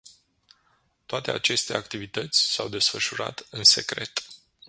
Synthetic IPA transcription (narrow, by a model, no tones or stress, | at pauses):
t̪oat̪e̞a̰t͡ʃe̞st̪e̞akt̪ivit̪ət̪sʲsawd̪e̞sfəʃuɾa̰t̪ɨnse̞kɾe̞̰t̪